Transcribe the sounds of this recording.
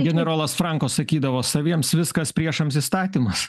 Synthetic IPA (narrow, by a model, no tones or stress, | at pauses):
ɡʲɛnʲɛɾoːlˠɐsfɾɐŋkoːssɐkʲiːd̪ɐʋoːsɐʋʲiɛmsʋʲɪskɐspʲɾʲiɛʃɐms̬iːst̪ɑːt̪ʲiːmɐs